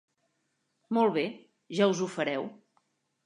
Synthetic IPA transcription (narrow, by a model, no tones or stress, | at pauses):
mɔlˠβe | ʒauzufəɾɛw